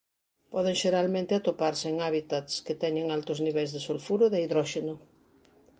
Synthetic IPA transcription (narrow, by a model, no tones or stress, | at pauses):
pɔð̞eŋʃeɾalmẽnt̪ɪat̪opaɾseeŋaβit̪at̪sket̪ɛɲeŋalt̪ʊzniβɛlzðesolfuɾʊðeaiðɾɔʃenʊ